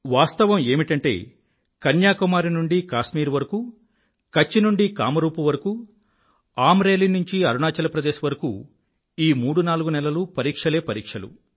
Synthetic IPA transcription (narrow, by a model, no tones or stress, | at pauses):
ʋaːst̪ɐʋɐme̞ːmiʈɐɳʈe̞̰ː | kɐnjaːkumaːɾinuɳɖikaːʃmiːɾuʋɐɾɐku | kɐt͡ʃːinuɳɖika̰ːmɐɾuːpuʋɐɾɐku | aːmɾe̞ːlinuɲt͡ʃiɐɾunaːt͡ʃɐlɐpɾɐd̪eːʃɐʋɐɾɐkṵ | iːmuːɽunaːluɡunɛlɐlupɐɾiːkʂɐle̞ːpɐɾiːkʂɐlṵ